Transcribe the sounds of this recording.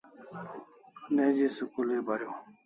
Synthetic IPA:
nẽːd͡ʑiːsukuleːbʱaɾjoː

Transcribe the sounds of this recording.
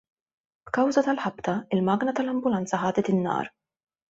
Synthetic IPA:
b̥kɐwzɐt̪ɐlħɐbt̪ɐɪlmɐːɡnɐt̪ɐlɐmbʊlɐnt͡sɐħɐːd̪ɛt̪ɪnːɐ̰ːɾ

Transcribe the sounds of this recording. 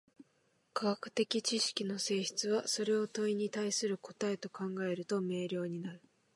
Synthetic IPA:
kaɡakɯ̟̥t̪e̞kʲit͡ɕiɕi̥kʲino̞se̞ːçi̥t͡sɨβaso̞ɾe̞o̞t̪o̞iɲ̟it̪aisɨɾɯ̟ko̞t̪ae̞t̪o̞kãŋɡae̞ɾɯ̟t̪o̞me̞ːɾʲjo̞ːɲ̟inaɾɯ̟

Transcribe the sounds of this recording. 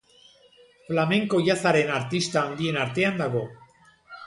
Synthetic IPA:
flame̞ŋko̞ʝasaɾe̞naɾt̪ist̪aːnd̪ie̞naɾt̪e̞and̪aɣ̞o̞

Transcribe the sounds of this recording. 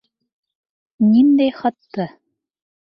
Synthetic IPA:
nind̪eχɤ̆t̪ːɤ̆

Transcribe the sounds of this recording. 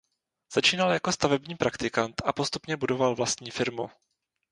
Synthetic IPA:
z̥at͡ʃiːnaljakost̪avɛbɲiːpɾakt̪ɪkant̪ʔapo̞st̪upɲɛbudo̞valvlast̪ɲiːfɪɾmṵ

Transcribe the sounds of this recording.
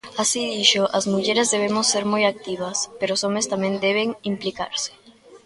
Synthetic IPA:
asiðiʃoʔazmuʝeɾezðe̞βemosːeɾmujak̚t̪iβaspeɾosomest̪amjend̪eβ̞eŋimplika̰ɾse̥

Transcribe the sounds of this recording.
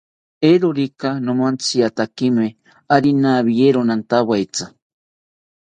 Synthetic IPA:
eɾoɾikanõmant͡siat̪akime | aɾinaβijeɾonant̪aβajt͡sḁ

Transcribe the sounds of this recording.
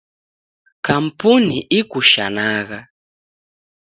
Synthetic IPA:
kam̩puniʔikuʃanaːɣa

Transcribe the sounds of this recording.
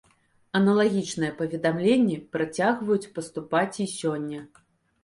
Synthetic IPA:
ɐnɐlˠaɣʲit͡ʂnɨjɛpɐvʲɛd̪amlʲenʲːɛpɾat͡sʲaɣvɐjut͡sʲpɐst̪upat͡sʲisʲɔnʲːɐ

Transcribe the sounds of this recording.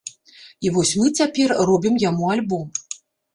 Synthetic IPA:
ivɔsʲmɨt͡sʲapʲɛrrɔbʲimjamualʲbɔm

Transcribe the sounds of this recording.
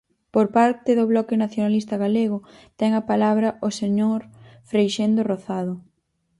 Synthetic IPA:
poɾpaɾt̪ɪðʊβlɔkɪnaθjonalist̪ɐɣaleɣ̞ʊt̪ɛŋapalaβɾɐʔoseɲoɾfɾejʃend̪oroθað̞ʊ

